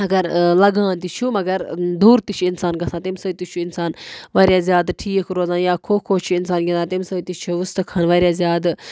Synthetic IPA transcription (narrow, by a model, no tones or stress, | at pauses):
ɐɡɐɾlɐɡãːnt̪it͡ʃʰumɐɡɐɾd̪uːɾt̪it͡ʃʰiinsaːnɡɐsãːt̪imsɐːt̪it͡ʃʰuɪnsaːnʋaːɾʲjaːzʲjaːd̪ʈʰiːkʰɾoːzãːnjaːkʰoːkʰoːt͡ʃʰuinsaːnɡʲinaːt̪imsɐt̪it͡ʃʰuʋust̪ɨkʰanʋaːɾjaːzjaːd̪